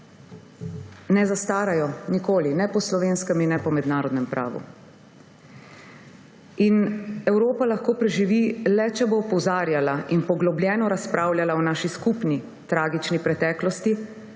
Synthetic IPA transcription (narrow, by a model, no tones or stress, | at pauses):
nɛzast̪aːɾajɔnikoːlinɛpɔslɔʋenskɛminːɛpɔmɛd̪naːɾɔd̪nɛmpɾʔa̰ːʋṵ | inɛwɾoːpalaxkoːpɾɛʒiʋilɛt͡ʃɛbopɔwzaːɾjalaʔinpɔɡlɔbljɛːnɔɾaspɾʔaːwljalaɔnaːʃiskupni | t̪ɾaːɡit͡ʃnipɾɛt̪ɛːklɔst̪i